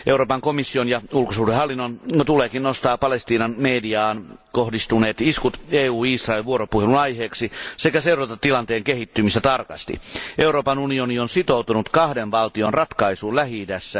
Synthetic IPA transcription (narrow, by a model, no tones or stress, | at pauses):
euroːpɑŋkomisːionjɑulkosuːdehɑlːinːont̪uleːkinnost̪ɑːpɑlest̪iːnɑnmeːdiɑːnkohdist̪uneːt̪iskut̪eːuːisrɑelʋuoɾopuhelunɑjheːksisekæseuɾɑt̪ɑt̪ːilɑnt̪eːŋkehit̪ːymist̪æt̪ɑrkɑ̰st̪ḭʔeuɾoːpɑnunionionsit̪out̪unut̪kɑhdenʋɑlt̪ionrɑt̪kɑisuːnlæhid̪æsːæ